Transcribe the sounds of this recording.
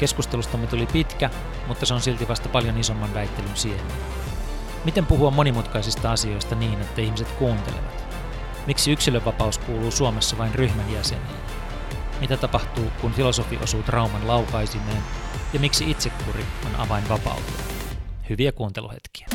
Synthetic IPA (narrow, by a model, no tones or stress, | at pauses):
ke̞skust̪e̞lust̪ɑmːet̪ulipit̪kæ | mut̪ːɑseo̞nsilt̪iʋɑst̪ɑpɑljo̞niso̞mːɑnʋæjt̪ːelynsieme | mit̪e̞mpuɦuɑmːo̞nimut̪kɑisist̪ɑɑsio̞jst̪ɑniːne̞t̪ːæihmise̞t̪kuːnt̪elḛʋɑ̰t̪ | miksiyksiløʋʋɑpɑuskuːluːsuome̞sːɑʋɑinryhmænjæse̞̰nḭːn | mit̪æt̪ɑpɑht̪uːkunfilo̞so̞fiʔo̞suːt̪rɑumɑnlɑwkɑjsimeːnjɑmiksiʔit̪se̞kːuɾionʔɑ̰ʋɑinʋɑpɑ̰ut̪ḛhyʋiækuːnt̪e̞lʔuhḛt̪k̟i̥æ̥